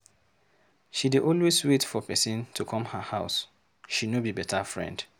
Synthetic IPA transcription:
ʃidiʔɔlweswetfɔpɛsĩntʰukʰɔ̃mhahaʊs | ʃinobibɛtʰafɹɛ̰̃nd

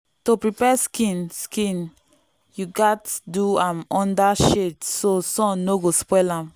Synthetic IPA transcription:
topɹipɛskĩnskĩn | juɡatduãmɔ̃ndaʃetsosɔ̃noɡospɛlãm

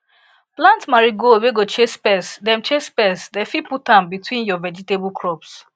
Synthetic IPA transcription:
plãntmaɹiɡoweɡot͡ʃespɛsdɛ̃mt͡ʃespɛsdɛfiputãmbitwĩnjɔvɛd͡ʒiteblkɹɔps

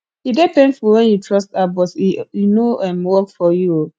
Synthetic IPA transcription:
idepẽndfulwɛ̃njutʰɹɔstabɔtinoɛ̃mwɔkfɔjuo

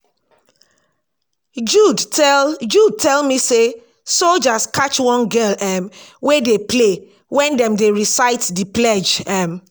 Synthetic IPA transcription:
d͡ʒudd͡ʒud̚tʰɛlmise | sold͡ʒaskat͡ʃwɔ̃nɡɛlɛmwedeple | wɛ̃ndɛ̃mdeɹisaɪtdiplɛd͡ʒɛm

